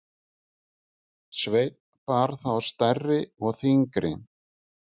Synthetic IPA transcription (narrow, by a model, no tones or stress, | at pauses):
svejt̪nnpaɾ̥θawast̪ɛrːɪɔɣθiŋkɾɪ̰